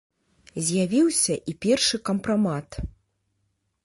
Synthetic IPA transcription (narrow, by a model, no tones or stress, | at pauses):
zʲjavʲiwsʲɐʔipʲɛrʂɨkɐmpɾamat̪